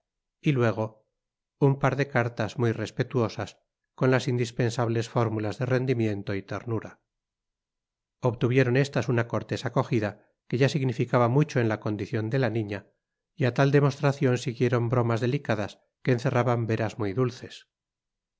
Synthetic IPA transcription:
ilwe̞ɣ̞o̞ | umpaɾðe̞kaɾt̪azmujre̞spe̞t̪uo̞sas | ko̞nlasind̪ispe̞nsaβle̞sfo̞ɾmulazðe̞re̞nd̪imje̞nt̪o̞it̪e̞̰ɾnuɾa | oβt̪uβje̞ɾo̞ne̞st̪asunako̞ɾt̪e̞sako̞xiða | ke̞ʝasiɣnifikaβamut͡ʃo̞e̞nlako̞nd̪iθjo̞nd̪e̞lanĩɲa | iat̪ald̪e̞mo̞st̪ɾaθjo̞nsiɣje̞ɾo̞mbɾo̞mazðe̞likaðas | ke̞ːnθe̞rʔaβambe̞ɾazmujðulθe̞s

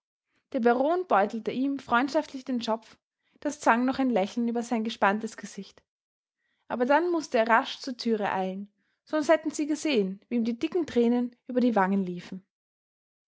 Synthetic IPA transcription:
d̥eːɐbaʁoːnb̥ɔʏtl̩təʔiːmfʁ̥ɔʏntʃaftlɪçd̥eːnʃɔp͡f | d̥ast͡sv̥aŋnɔχaɪnlɛçl̩nyːbɐzaɪnɡəʃpantəsɡ̥əz̥ɪçt | ʔaːbɐdanmʊstəeːɐʁaʃt͡suːɐtʰyːʁəʔa̰ɪln | z̥ɔnsthɛtn̩z̥iːɡəzeːənviːmdiːdɪkŋ̩tʁ̥ɛːnənʔyːbɐɾiːvaŋənliːfn̩

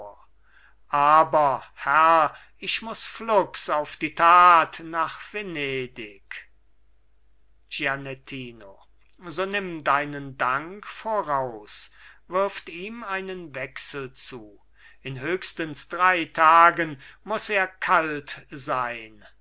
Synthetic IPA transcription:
ʔaːbɐhɛʁ | ɪʃmʊsflʊksaʊfd̥iːtʰaːtnaːχv̥eneːdɪk | d͡ʒianɛtʰiːno | zoːnɪmdaɪnəndaŋkfoːʁaʊsvɪɐftiːmaɪnənvɛksəl̩t͡suː | ɪnɦøːkstənsd̥ʁaɪtʰaːɡənmʊseːɐkʰaltzaɪn

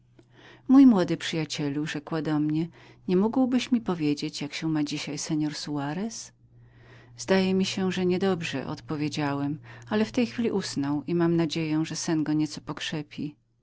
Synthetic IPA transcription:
mujmwɔd̪ɘpʂɘjat͡ɕɛluʐɛkwad̪ɔmɲɛɲɛmuɡwbɘɕmʲipɔvʲjed͡ʑet͡ɕjakɕɛ̃mad͡ʑiɕajsɛɲɔɾsuaɾɛs | zd̪ajɛmʲiɕɛʐɛɲɛd̪ɔbʐɛ̰ʔɔ̰t̪pɔvʲjed͡ʑawɛmalɛft̪ɛjxfʲilʲiʔusnɔwʔimamnad͡ʑejɛ̃w̃ʐɛsɛnɡɔɲɛt̪sɔpɔkʂɛpʲi

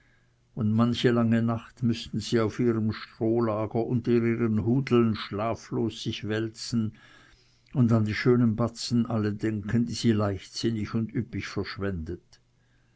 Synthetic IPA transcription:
ʊndmançəlaŋənaχtmʏstn̩ziːaʊfiːʁəmʃtʁ̥oːlaːɡ̥ɐʔʊntɐiːʁiːʁənhuːdl̩nʃlaːfloːsːɪçvɛlt͡sn̩ | ʊndandiːʃøːnənbat͡sn̩ʔalədɛŋkʰəndiːz̥iːlaɪçtsɪnɪçʊndypɪçfɛɐʃv̥ɛndət

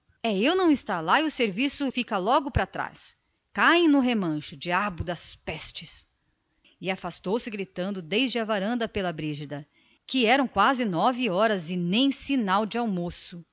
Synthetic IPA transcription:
ɛewnɐ̃w̃ɪst̪alaiʊseɾvisʊfikɐlɔɡʊpɾat̪ɾa̰s | kaẽj̃nʊɦemɐ̃ʃʊd͡ʒiabʊd̪ɐspɛst͡ʃɪs | ɪafast̪owsɪɡɾit̪ɐ̃nd̪ʊd̪ejzd͡ʒɪɐvaɾɐ̃nd̪ɐpelɐbɾiʒid̪ɐ | kɪɛɾɐ̃w̃kwazɪnɔvɪɔɾɐzɪnẽj̃sinawd͡ʒɪawmosʊ

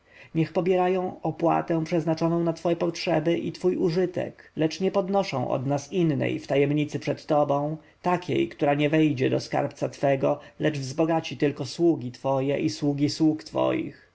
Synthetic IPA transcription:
ɲɛxpɔbʲjɛɾajɔ̃w̃ɔpwa̰t̪ɛ̃w̃pʂɛznat͡ʂɔnɔ̃w̃nat̪fɔjɛpɔtʂɛbɘʔit̪fujuʐɘt̪ɛ̰klɛt͡ʂɲɛpɔd̪nɔʂɔ̰̃w̃ʔɔ̰d̪nasinːɛ̰jft̪ajɛmɲit̪sɘpʂɛt̪ːɔbɔ̃w̃ | t̪akʲḛjkt̪uɾaɲɛvɛjd͡ʑɛd̪ɔska̰ɾpt̪sat̪fɛɡɔlɛd͡ʐvzbɔɡat͡ɕit̪ɘlkɔswuɡʲit̪fɔjɛ̰ʔiswuɡʲiswukt̪fɔ̰jḭx

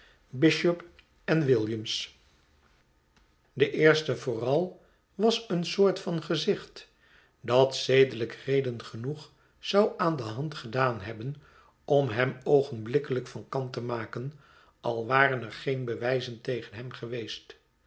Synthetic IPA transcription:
bɪʃɔp | ɛnʋɪlˠjəms | dəʔɪːɹstəvʊːrɑlˠ | ʋɑsənsoːɹtfɑnχəzɪχt | dɑtsejdələkrejdənχənuχ | sɑwʔaːndəɦɑntχədaːnɦɛbən | ɔmɦɛmowχənblɪkələkfɑnkɑntəmaːkən | ʔɑ̰lˠʋaːrənɛɹχejnbəʋɛjzəntejχənɦɛmχəʋejst

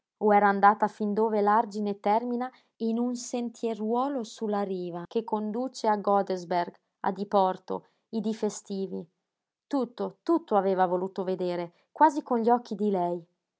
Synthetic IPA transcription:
oɛːɾaːnd̪aːt̪afind̪oːvelard͡ʒinet̪ɛrmina | inunsent̪ʰjerwɔːlosulːaɾiːvakekːond̪uːt͡ʃeaɡɔd̪ezberɡ | a̰d̪ipɔrt̪o̰ | id̪ifest̪iːvi | t̪ut̪ːot̪ut̪ːoaveːvavoluːt̪oved̪eːɾe | kwaːzikonʎiɔkːid̪ilɛj

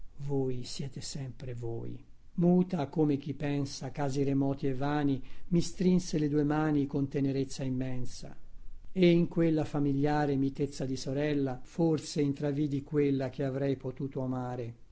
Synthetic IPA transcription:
voːjsjɛːt̪esɛmpɾevo̰ːj | muːt̪akomek̟ipɛnsakaːziɾemɔːt̪ievːaːnimist̪ɾinseled̪uːemaːnikont̪eneɾet̪sːaimːɛnsa̰eiŋkwelːafamiljaːɾemit̪et̪sːad̪isoɾɛlːaforseint̪ɾaviːd̪ikwelːak̟eavɾɛjpot̪uːt̪oamaːɾe

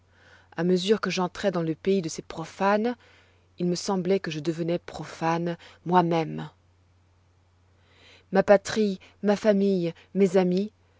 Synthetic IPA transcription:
aməzyʁkəʒɑ̃t̪χɛd̪ɑ̃ləpeid̪əsepχɔfan | ilməsɑ̃blɛkəʒəd̪əvənɛpχɔfanmwamɛm | mapat̪χimafamij | mezami

